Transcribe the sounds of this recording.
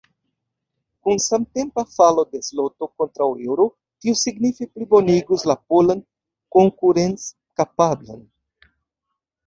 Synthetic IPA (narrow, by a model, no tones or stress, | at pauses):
kunsamte̞mpafalo̞de̞slo̞to̞ko̞ntɾawḛwɾo | tiusiɡnifiplibo̞niɡuslapolan | ko̞ŋkuɾe̞nt͡s | kapabla̰n